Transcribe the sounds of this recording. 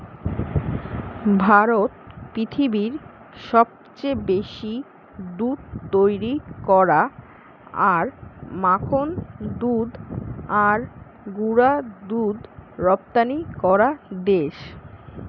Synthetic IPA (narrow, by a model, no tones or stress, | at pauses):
bʱaɾot̪̚pɾit̪ʰibiɾ | ʃɔb̚t͡ɕebeʃi | d̪ud̪̚t̪ojɾikɔɾa | aɾmakʰond̪ud̪aɾ | ɡuɾad̪ud̪ɾɔp̚t̪anikɔɾad̪eʃ